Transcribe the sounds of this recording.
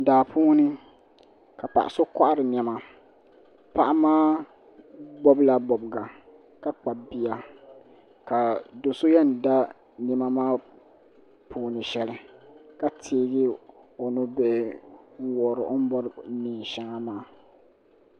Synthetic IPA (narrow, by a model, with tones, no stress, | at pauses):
daː˨pʰuː˦nɨ˦ | ka˨pa̰˨ʔa̰˨so˦ka˦ʔa˦ɾɨ˨n˨ɛ˨ma˨ | pa˦˨ʔa˦maː˦ | ɡ͡bɔ˦bla˦ɡ͡bɔ˨bɡa˨ | ka˦k͡pa˨bi˨ja˨ | ka˨do˨so˦jɛ˦n˨da˦ | nɪ˦ma˦maː˦ | pʰuː˦nɨ˨ʃɛ˦lɪ˦ka˦tʰeː˦ɡɪ˦ | o˨nʊ˦be˦ŋ˦wɔ˨ɾɪ˨ʔo˦m˦bɔ˦ɾniː˨ʃa˦ŋa˦maː˦